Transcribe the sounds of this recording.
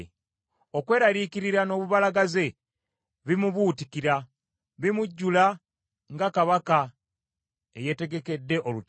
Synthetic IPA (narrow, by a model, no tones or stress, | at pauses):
okwe̞ːɾaɾikiɾiɾano̞ːβuβalaɡaze̞ | βimuβutikiɾa | βimuɟːula | ŋɡakaβaka | e̞je̞te̞ɡe̞ke̞dːe̞ʔolu